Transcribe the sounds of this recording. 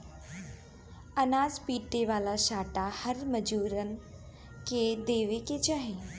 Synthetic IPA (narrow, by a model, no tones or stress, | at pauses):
ənaːzpiːʈːeʋaːlaʃaːʈahəɾməd͡ʒuːɾən̆ | ked̪eːʋeket͡ʃaɦẽ